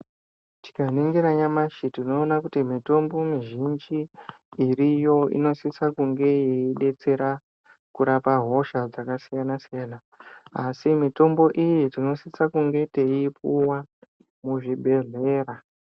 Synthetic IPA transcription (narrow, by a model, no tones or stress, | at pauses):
ti̥kaniŋɡeɾaɲamaʃitino̞ːnakutimito̞mbo̞miʒind͡ʒiː | rijo̞ḭno̞sisakuŋɡe̞jiiɗe̞t͡se̞ɾa | kuɾapaɦo̞ʃad͡zakasijanasijaːna | asimito̞mbo̞ʔijetino̞sisakuŋɡe̞teipuwa | muʐiɓe̞ɮe̞ːra